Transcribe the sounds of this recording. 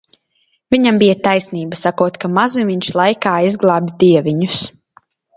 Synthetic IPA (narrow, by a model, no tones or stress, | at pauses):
viɲambijat̪ajsniːbasakuɔt̪kamazumiɲʃlˠajkaːizɡlˠaːbʲd̪iɛviɲus